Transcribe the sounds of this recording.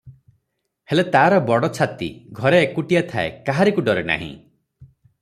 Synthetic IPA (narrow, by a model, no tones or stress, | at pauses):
helet̪aːɾɔbɔɽɔt͡ʃʰat̪ḭɡʱɔɾeːkuʈijat̪ʰaḛkaɦaɾikuɖɔɾena̰ɦḭ̃